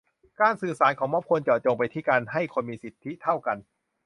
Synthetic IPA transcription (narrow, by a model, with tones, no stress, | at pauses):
kaː˧nsɯː˨˩saː˩˦nkʰɔː˩˦mɔ˦˥p̚kʰo˧nt͡ɕɔː˨˩t͡ɕo˧ŋpa˧jt̪ʰiː˥˩kaː˧nɦa˥˩jkʰo˧nmiː˧si˨˩t̪ʰːi˦˥t̪ʰa˥˩wka˧n